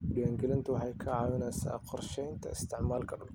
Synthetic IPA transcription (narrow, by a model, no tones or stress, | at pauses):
ɖɪwaːŋɡɛlɪnt̪ʰʊwɑħɑjkʰɐʕɑːwɪnɛːsa̰ːqɔrʃɛjnt̪ʰɐɪst̪ʰɪʕmaːlkʰɐɗʊl